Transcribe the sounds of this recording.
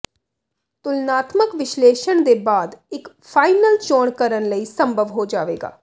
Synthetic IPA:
t̪ʊlnaːt̪məkʋɪʃleːʃəɳd̪eːbaːd̪ɪk | pʰaːinəlt͡ʃoːɳkəɾənləiːsəmbʱəʋɦoːd͡ʒaːʋeːɡa̰ː

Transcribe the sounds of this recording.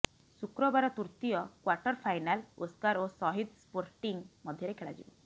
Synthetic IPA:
sukɾɔbaɾɔt̪uɾt̪ijɔkwaɾʈɔɾpʰajnalo̰skaɾosɔɦid̪spoɾʈiŋmɔd̪ʱjɔɾekʰeɭa̰d͡ʒḭbɔ

